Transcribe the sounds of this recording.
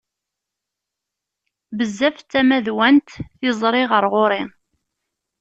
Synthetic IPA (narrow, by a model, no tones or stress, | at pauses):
bəzːæft͡sːæmæðwænt̪ɪzˤɾˤɪʁəɾʁoɾˤɪn